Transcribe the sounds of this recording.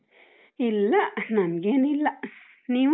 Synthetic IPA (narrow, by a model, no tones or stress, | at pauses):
ilaʔn̥nãmɡenĩlaʔ | nĩ